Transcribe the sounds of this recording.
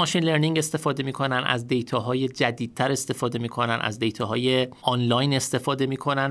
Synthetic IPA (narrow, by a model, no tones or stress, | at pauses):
ɒːʃinleɾniŋɡe̞st̪e̞fɒːd̪e̞miːkʰo̞nænæ̰zd̪e̞jt̪ʰɒːɦɒːje̞d͡ʒæd̪iːd̪̚t̪ʰːæɾe̞st̪e̞fɒːd̪e̞miːkʰo̞nænæ̰zd̪e̞jt̪ʰɒɦɒːje̞ɒnlɒjne̞st̪e̞fɒːd̪e̞miːkʰo̞næn